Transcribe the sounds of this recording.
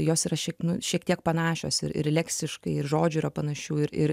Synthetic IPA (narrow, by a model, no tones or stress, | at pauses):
joːsiːɾɐʃʲiɛnʊʃʲiɛkt̪ʲiɛk̚pɐnɑːʃʲo̰ːsɪ̰ɾɪ̰ɾlʲæːksʲt̪ʲɪʃkɐɪɪɾʒoːd͡ʒʲʊiːɾɐpɐnɐʃʲuːɪɾɪ̰ɾ